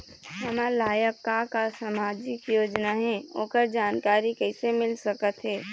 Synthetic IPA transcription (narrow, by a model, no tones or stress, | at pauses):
ɦəmalaːjəkːakasamaːd͡ʒɪkjoːd͡ʒnaɦɛːo̰ːkəɾd͡ʒaːnkaːɾikɛɪsemɪlsəkət̪ɦɛː